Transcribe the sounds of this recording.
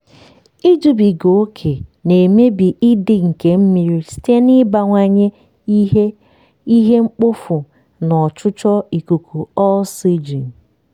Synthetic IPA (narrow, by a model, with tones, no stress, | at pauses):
i˦d͡ʒu˨bi˨ɡo˨o˦kʰe˨ne˨me˦bi˨ʔɪ˦dɪ˨ŋ̩˨ke˨m̩˦mi˨ɾi˦si̥˦te˦ni˦ba˨ŋʷa˦ɲe˦ | i˦ɦe˦ŋ͡m̩˦k͡pʊ˦fʊ˨ | nɔ˨t͡ʃʊ˦t͡ʃɔ˦i˨ku˨kʰu˨ɔ˦si˦d͡ʒi˨n̩˨